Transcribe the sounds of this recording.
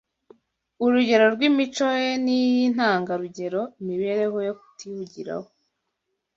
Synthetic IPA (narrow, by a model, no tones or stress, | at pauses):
uɾuɟe̞ɾo̞ɾɡwimit͡ʃo̞jenijin̥aːŋɡaɾuɟe̞ɾo̞imiβe̞ːɾe̞ɦo̞joku̥tihuɟiɾa̰ho